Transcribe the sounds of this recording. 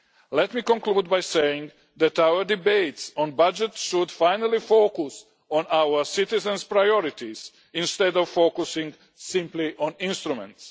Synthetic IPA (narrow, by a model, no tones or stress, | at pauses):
lɛt̪miːkɔ̃nkluːd̪̚bajsejɪ̃ŋ | d̪æt̪aʊwəɾd̪ibeɪtsɔ̃nbad͡ʒɛt̪ʃud̪fãjnəlˠifokus | ɔ̃nawə˞sit̪ɪzɛ̃nspɾajɔɾɪt̪iz̥ | ĩnst̪ɛd̪ɔvfokusɪ̃ŋɡ | sɪ̃mpliʔɔ̃nĩnst̪ɾumɛ̰̃nt̪s